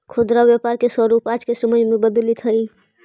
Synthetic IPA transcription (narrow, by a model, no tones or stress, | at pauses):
kʰʊd̪ɾawjapaːɾkesɔɾupaːt͡ʃkesəməd͡ʒmẽbəd̪lit̪ʰəɾi